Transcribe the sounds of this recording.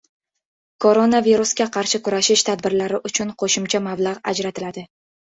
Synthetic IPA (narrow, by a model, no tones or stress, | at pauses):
kʰoɾonaviɾuskʲaqʰɑɾʃɪkʊɾaʃɪʃt̪ʰad̪bɪɾlaɾɪʔʊt͡ʃʰʊnqʰoʃɪmt͡ʃʰamablˠɑʁa̰d͡ʒɾat̪ʰɪlad̪ɪ